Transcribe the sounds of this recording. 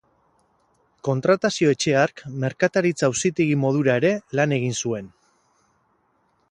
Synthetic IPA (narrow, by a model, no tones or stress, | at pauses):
ko̞nt̪ɾat̪asio̞e̞t͡ʃe̞aɾkme̞ɾkat̪aɾit͡sawsit̪iɣimo̞ð̞uɾae̞ɾe̞lane̞ɣ̞insue̞n